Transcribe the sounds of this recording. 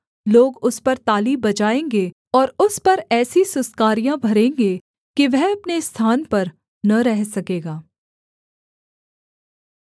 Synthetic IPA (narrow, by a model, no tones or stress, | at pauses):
loːɡʊspɐɾt̪aːlibɐt͡ʃaːẽːŋɡe | ɔːɾʊspɐɾɛːsisʊskaːɾijãbʱɐɾẽːŋɡe | kiʋɛɦɐpnest̪ʰaːnpɐɾ | nɐɾɛɦsɐkeːɡaː